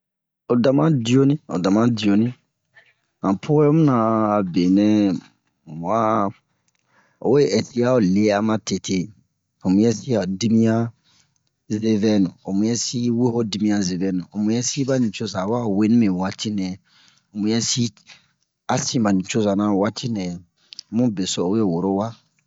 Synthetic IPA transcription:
o˨da˨mã˦di˨o˦nĩ˦o̰˨da˨mã˦di˨o˨nĩ˦ | ã˨pʰo˦ɛ˦mũ˦nã˨be˨nɛ̃˦˨ | m˨a˦ | o̰˨we˦˨ɛ˨si˦a˦o˨le˦a˦mã˦te˨tʰe˦ | o˨mũ˦jɛ˦si˦a˨di˦mĩ˦ã˦ | ze˦vɛ˦nũ˨o˨mũ˨˦jɛ˦si˦we˦ho˦di˨mĩ˦ã˦ze˨vɛ˦nũ˨o˨mũ˨jɛ˦si˦ba˦nĩ˨t͡ʃo˦za˨wa˦˨we˦nĩ˦mẽ˨wa˦tʰi˦nɛ̃˨ | o˨mũ˨jɛ˦si˦ | a˦sĩ˦ba˨nĩ˨t͡ʃo˦za˨nã˦˨wa˦tʰi˦nɛ̃˨˦ | mũ˦be˨so˨we˦˨wo˨ɾo˦wa˦

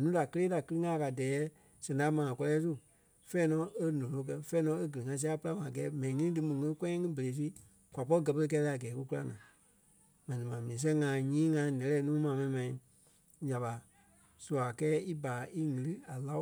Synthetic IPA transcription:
ɛ̃˨nũː˨˦da˨kə˧leː˦da˨kɨ˦lɨ˦ŋã˦˨ka˨dɛː˨˦ | sɛ̃˨da˨˦mãː˨ã˨kɔ˧lɛː˧˦s̬u˦˨ | fɛː˦nɔ̃˨˦e˦nɔ̃˨lo˧˦k̬ɜ˧fɛː˦nɔ̃˧˦e˦ɡə˨ɨ˨ŋã˧˦s̬pɨ˦la˦mã˨ɡɛː˨˦mɛ̃˨nĩ˨ŋĩ˦ĩ˦dɨ˧mũ˨ŋĩ˦kɛ̃˦ɛ̃˦ŋɨ̃˦be˨eː˨˦t̬i˦ | kʷa˨p̬ɔ˦i˦ɡɜ˧pə˧lə˧k̬ɛ˧˦la˧˨a˨ɡɛː˨˦ku˧˦ku˦la˧nã̰ː˨˦ | mã˨nĩ˨mãː˨mĩː˨s̬ɛ̃˦ŋã˨˦ɲĩː˦ŋã˧˦nɛ̃˨lɛː˧˦nũː˨˦mãː˨mɛ̃˧nĩ˧mã˧ĩ˧ | ja˨ɓa˨ | su˧˨a˨kɛː˦i˦baː˨˦ʔi˦ŋɨ̃˨lɨ˦a˨la˦

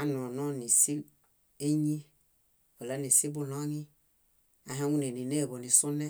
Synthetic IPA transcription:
a˦nɔ˨nɔ˦ni˨si˦ | e˦ɲi˦ | o˨la˨˦ni˨si˦bu˦nɔ˦ɲi˦ | a˨ɦa˦ŋu˦ne˨ni˨ne˦˨βo˨ni˨su˦nɛ˦

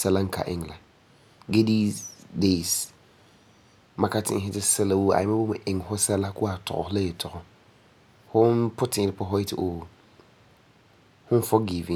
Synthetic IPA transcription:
sɛ˦lã˦ŋ̩˨˦kʰa̰˨ʔɪ̰̃˦ŋ˨la˨ | ɡe˦di˦de˦˨s | mã˨kʰa˦tʰɪ̰˦ɦɪ˦tɪ˦sɛ˦la˨wo˦a̰˨ɪ̃˨mã˦bɔ˦mʊ̃˨ʔɪ̃˨ŋhɔ˦sɛ˦la˦kʰʊ˦a˨tʰɔ̰˨ɔ̰˨hlɛ˦ɛ˨tʰɔ˨ɔ˨ | hɔ˦npʰʊ˦tʰɪ̃˨ɪ˨pʰɔ˦ɦɔ˦ɪ˦tʰɪ˨ʔo˨ | hʊ̃˦n˦fɔ˦ɡi˨vĩ˨

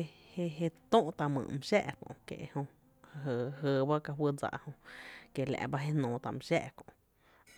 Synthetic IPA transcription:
e˧he˧ɦe˧t̪õ˦ʔt̪a˧mɨ̰̃˨m˧ʃɛ̰˦ʔkõ̰˧˨kḛ˨ʔhõ˧ | ha˧ɦə˨˧ɦəː˧˨ba˦ka˧ɦwə˦d͡za̰˧ʔhõ˧ke˨la̰˧ʔba˦ɦe˦nõː˨t̪a˨m˧ʃɛ˦ʔkõ̰˨ʔ

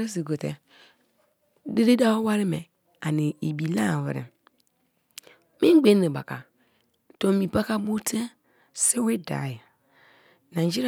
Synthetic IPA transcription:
ɾi˦s̬i˨ɡo˨tḛ˨ | de˦ɾe˦da˦wo˦wa˦ɾi˦me˨ | a˨ni˨i˨bi˨la˦˨vḭ˨ɾḭ˨ | mĩ˦ɡ͡be˦ne˨ba˨ka˨ | to˨mi˨pa˦ka˦bu˦te˦ | si˦wi˦da̰˨ji˨ | nã˨˦d͡ʒi˦ɾ

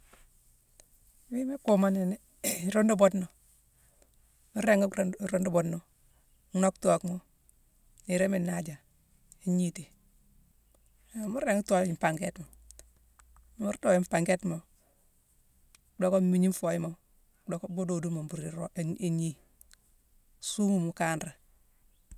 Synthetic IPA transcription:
mi˦me˦ko˨ma˦ne˨n˦ | ɾo˦ndo˦bo˦tno˨ | mu˦ɾe˦ŋ˦ɾo˦ndu˦bo˨tno˨˦ | no˦kto˨kmo˦ | i˨ɾe˦mi˨na˦d͡ʒa˨ | i˦ɲi˦ti˨ | mu˦ɾe˦ŋ˦to˦i˨mpa˨ŋɡe˦tmo˨ | mu˦ɾdo˨i˦mpa˨ŋɡe˦tmo˨ | do˦ko˦mi˨ɲi˦mfo˨ji˦mo˨ | do˨ko˦bo˦do˨du˦mo˨bu˨ɾi˨ɾo˦˨e˨ɲi˦ | su˦mu˨mu˨kaː˦nɾa˨

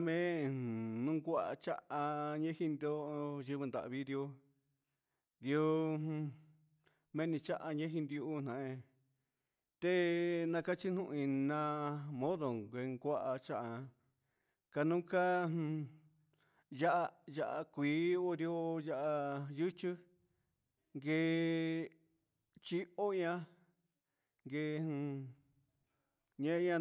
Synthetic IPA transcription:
mẽ˦˨ | nũ˦ɡʷa˦ʔa̰˧t͡ʃa̰˦ʔa˧ɲẽ˦hi˦˧nd̪o˦˧ʒɨ˧βɨ˧nd̪a̰˨ʔβi˦d̪jo˧ | d̪jõ˦˧ | mẽ˦nĩ˧t͡ʃa˦ʔa˧ɲẽ˦ɦĩ˧nd̪i˧uː˧˦n̥ã˨ẽ˧ | t̪e˦nã˧ka˦t͡ʃi˦n̥ũ˦˧ʔĩ˧nã˧mõ˦ðo˨ŋɡʷe˧ŋɡʷa˦ʔa˧t͡ʃa˦ʔa˧ | ka˧nũ˦ka˦hũ˧ | ja˦ʔa˧ja˧ʔa˧kʷiː˨˦o˦ɾi˧o˦˧ja˧ʔa˧jɨ˦t͡ʃɨ˦ | ŋɡe˧ | t͡ʃi˦o˦ĩ˦ã˦ | ŋɡe˧hũ˧ | ɲẽ˦˧˦ã˧

